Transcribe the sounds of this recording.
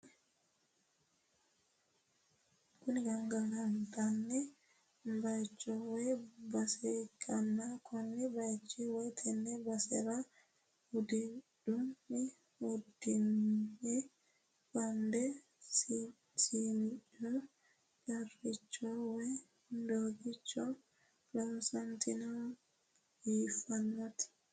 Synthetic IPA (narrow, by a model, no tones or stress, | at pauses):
kuniɡaŋɡaŋɡantanːɛ | mbajt͡ʃːɔwɛbasɛkʰanːakʰɔnːibajt͡ʃːiwɛtʰɛnːɛbasɛɾa | hudidumːi | hudinːi | wandɛ | siniɗɔm | ɡarːit͡ʃːɔwɛ | ndoɡit͡ʃːɔ | lɔnsantina | ifanːatʰi̥